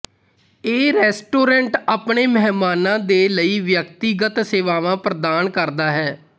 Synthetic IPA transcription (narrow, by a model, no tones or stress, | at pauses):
eːɾɛːsʈoːɾɛ̃ɳʈaːpɳeːmɛːmaːnãːd̪eːləiːʋjəkt̪iːɡət̪seːʋaːʋãːpɾəd̪aːnkəɾd̪aːɦɛː